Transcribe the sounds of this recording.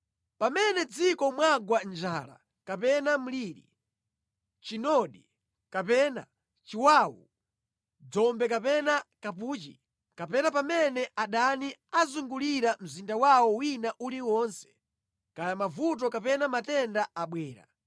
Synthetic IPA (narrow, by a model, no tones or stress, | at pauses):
pamɛnɛd͡zikɔmwaɡwand͡ʒaːla̰ | kapɛnam̩liːɾḭ | t͡ʃinɔɗi | kapɛːna̰ | t͡ʃiwaːwṵ | d͡zɔmbɛkapɛnakapuːt͡ʃḭ | kapɛnapamɛnɛʔaɗaniazuŋɡuliɾam̩zindawawɔwinaʔuliwɔːnsɛ̥ | kajamavut̬ɔkapɛnamatɛndaaɓwɛːɾa̰